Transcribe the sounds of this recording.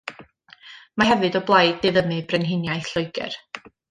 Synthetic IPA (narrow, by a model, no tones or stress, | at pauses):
mahɛvɨdɔblˠajdːɛðəmɨbrɛnɦɪnjajθɬʊjɡɛ̰r